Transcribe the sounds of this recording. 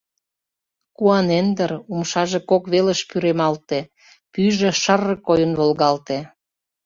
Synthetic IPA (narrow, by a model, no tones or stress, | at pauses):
kuɑnend̪əɾumʃɑʒekokβeləʃpyɾemɑlt̪e | pyʒĕʃərːəkːojənβolɣɑlt̪e